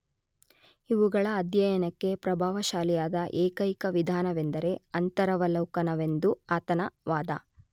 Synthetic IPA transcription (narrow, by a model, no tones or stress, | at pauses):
iʋuɡɐɭɐːd̪jɐjɐnɐkːe̞pɾɐbʱaːʋɐʃaːlijaːd̪ɐʔeːkɐjkɐʋid̪ʱaːnɐʋend̪ɐɾe̞ɐnt̪ɐɾɐʋɐlɐwkɐnɐʋe̞nd̪uaːt̪ɐnɐʋaːd̪ɐ̰